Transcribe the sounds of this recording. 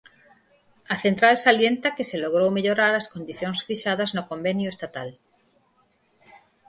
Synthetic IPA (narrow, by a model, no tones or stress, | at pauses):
aθent̪ɾalsaljent̪akeseloɣ̞ɾowmeʎoɾaɾaskond̪iθjoŋsfiʃað̞aznokombenjoʊest̪at̪al